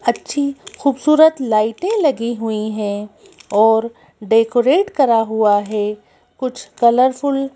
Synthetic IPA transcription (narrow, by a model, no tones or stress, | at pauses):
ɐtːʃʰixuːbsuːɾət̪laːɪʈẽlɐɡiɦuiɦɛ̃ | ɔːɾ | ɖeːkoɾeːʈkɐɾaɦuaɦɛ | kʊt͡ʃʰkɐləɾfʊl